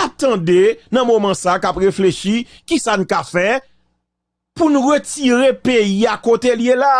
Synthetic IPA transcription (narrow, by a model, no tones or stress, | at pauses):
ap̚t̪ãdenɐ̃momãsakapɣefleʃi | kisanũkafɛ | punũʁətiɣepeiakot̪eljela